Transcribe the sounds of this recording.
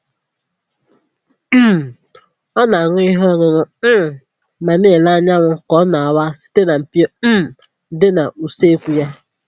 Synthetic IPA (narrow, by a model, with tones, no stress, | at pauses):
m̩˦m˨ | ɔ˦na˨ŋʊ˦i˦ɦɔ˦ŋʊ˦nʊ˦˨ | ma˨ne˦˨la˦a˦ɲa˦ŋʷʊ˦kɔ˦na˨a˨wa˦si̥˦te˦na˨m̩˨pjo˦m̩˦m̩˨ | dɪ˦na˨ʔu˨se˦kʷu˦˨ja˦